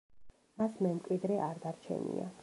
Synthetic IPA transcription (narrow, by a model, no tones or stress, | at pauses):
masmɛmkʼwid̪ɾɛʔaɾd̪aɾt͡ʃʰɛ̰nḭa̰